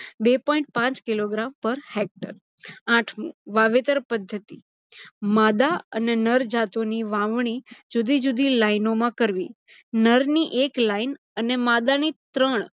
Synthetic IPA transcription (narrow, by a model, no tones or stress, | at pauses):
bepɔ̃ĩɳʈ̚pãt͡ʃkiloɡɾampəɾhek̚ʈə̰ɾ | ãʈʰmṵ̃ʋaʋet̪əɾpəd̪ʱːət̪i | mad̪aə̰nenəɾd͡ʒat̪oniʋãʋɳ̃id͡ʒud̪ʱid͡ʒud̪ʱilainomãkəɾʋḭ | nəɾniʔeklain | ənemad̪anit̪ɾəɳ̃